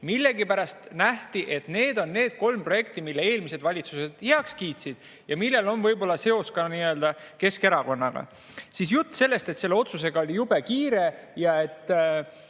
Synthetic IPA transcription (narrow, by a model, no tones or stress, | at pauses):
milːe̞ɡipæɾɑst̪næht̪iʔe̞t̪ne̞ːd̪̥o̞nːe̞ːd̪̥̚ko̞lmpro̞jekt̪imilːee̞ːlmise̞d̪vɑlʲit̪suse̞d̪̥heɑkskiːt̪sid̪̥̚ | jɑmilːelo̞nvɤ̞jbo̞lːɑse̞o̞skɑniːøld̪ɑke̞ske̞ɾɑko̞nːɑɡ̥ɑ̰ | sisjut̪ːse̞lːe̞st̪et̪se̞lːe̞o̞t̪suse̞ɡɑolʲijube̞kiːɾe̞jɑe̞t̪ː